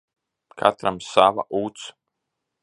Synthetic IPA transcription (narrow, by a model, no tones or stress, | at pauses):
kʰa̰t̪ɾamsava̰ʔuːt̪s